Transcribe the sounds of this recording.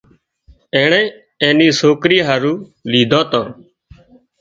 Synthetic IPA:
ẽːɳẽː | ẽːniːsoːkɾiːɦaːɾuːliːd̪ʱõːt̪õː

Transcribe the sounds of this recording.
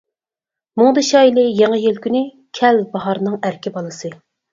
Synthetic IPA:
mʊŋd̪ɨʃɑːjilˠɨjeŋɨjelkʲynɪ | kʲʰɛlbɑɦɑɾnɨŋæɾkʲibɑlˠɨsɨ

